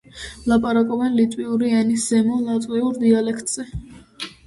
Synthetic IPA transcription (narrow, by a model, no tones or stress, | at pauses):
lˠapʼaɾakʼɔbɛnlit̪ʼwiuɾiɛnisz̥ɛmɔlˠat̪ʼwiuɾd̪ialɛkʰt̪ʼz̥ɛ